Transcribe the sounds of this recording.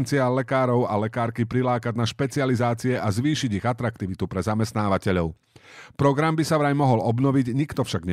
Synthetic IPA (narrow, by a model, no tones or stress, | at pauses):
nt͡sialɛkaːɾɔʊalɛkaːɾkipɾilaːkad̚naʃpɛt͡sializaːt͡siɛʔazʋiːʃiɟiɣat̪ɾak̚t̪iʋit̪upɾɛzamɛst̪naːʋacɛʎɔʊ | pɾɔɡɾambisaʋɾajmɔɦɔlɔbnɔʋiɟɲikt̪ɔfʃaɡɲɛ